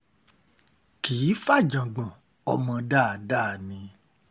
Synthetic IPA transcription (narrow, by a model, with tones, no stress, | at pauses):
ki˨˦fa˦˨d͡ʒã˨ɡ͡bã˨ | ɔ̰˧˦mã˧da˦˨da˦˨nĩ˧